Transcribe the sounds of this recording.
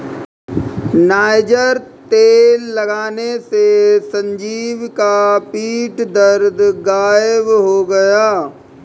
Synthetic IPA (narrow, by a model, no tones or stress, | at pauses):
naːjd͡ʒəɾt̪eːlːɐɡaːnesesɐ̃ɲd͡ʒiːʋkapiːʈd̪əɾd̪ɡaːjəʋɦoɡɐjaː